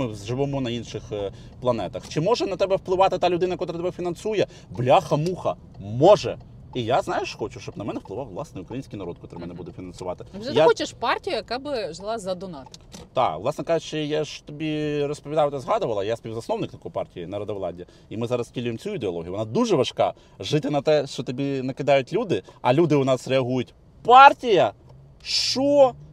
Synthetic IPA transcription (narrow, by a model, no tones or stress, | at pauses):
mɪzʒɪʋɪmɔnɐinʃɪx | plˠɐnɛt̪ɐxt͡ʃɪmɔʒɛnɐt̪ɛbɛwplˠɪʋɑt̪ɪt̪ɑlʲʊd̪ɪnɐkɔt̪ɾɪt̪ɛbɛfʲinɐnsujɛ | blʲɑxɐmuxɐ | mɔʒɛ | ijaznɑjeʃxɔt͡ʃʊʃt͡ʃɔbnɐmɛnɛwplˠɪʋɑwʋlˠɑsnɛʊkɾɐjinʲsʲkʲijnɐɾɔt̪̚kɔt̪ɾɪmɛnɛbud̪ɛfʲinɐnsʊʋɑt̪ɪʒɛjaxɔt͡ʃɪʃpɑrtʲijʊjɐkɑbɪʒlˠɑzɐd̪ɔnɑt̪t̪ɑʋlˠɑsnɛkɑʒʊt͡ʃɪjaʃt͡ʃɔt̪ɔbʲirɔspɔʋʲid̪ɑjɪʊt̪ɛzɦɑd̪ʊʋɐlˠɐjasʲpʲiwzɐsnɔwnɪkt̪ɐkɔjpɑ̰rtʲijinɐɾɐd̪ɐʋlˠɑ̰dʲi | imɪzɑɾɐstʲilʲujemt͡sʲujʊid̪eɔlˠɔ̰ɦʲijʊʋɔnɑd̪uʒɛʋɐʃkɑ̰ | ʒɪt̪ɪnɐt̪ɛʃt͡ʃɔt̪ɐbʲinɐkɪd̪ɑjʊtʲlʲud̪ɪɐlʲud̪ɪʊnɑsɾeɐɦujʊtʲ | pɑrtʲijɐ | ʃt͡ʃɔ